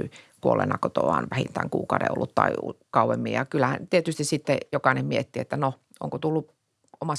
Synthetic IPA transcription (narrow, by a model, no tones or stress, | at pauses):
ykuolḛnɑkot̪o̰ʋɑ̰ːnʋæhint̪æːŋkṵːkɑudḛo̰lːut̪t̪ɑiukɑuʋemːijɑkylːæhæ̰nt̪iet̪yst̪issit̪ːejokɑˑinemmiet̪ːiḛt̪ːæno | ʔo̰ŋkot̪ulːu | omɑs